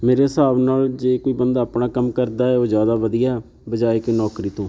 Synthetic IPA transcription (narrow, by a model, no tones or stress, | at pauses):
meːɾesaːbnaːld͡ʒeːkoːiːbənd̪aːpɳaːkəmkəɾd̪aːɛːoːd͡ʒjaːd̪aːʋəd̪ijaːɛ | bəd͡ʒaːeːkenɔːkɾiːt̪õː